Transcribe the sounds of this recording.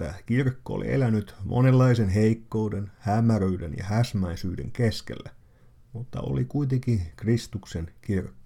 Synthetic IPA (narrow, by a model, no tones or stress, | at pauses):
ækirkːoo̰lḭʔḛlænyt̪mʔo̰nelːɑisenɦeikːoudenhæmːæɾøydḛnjɑ̰hæsmæisyːdḛŋkeskḛlːæ | mut̪ːɑ̰o̰likuit̪ekikrist̪uksenkirkːo̥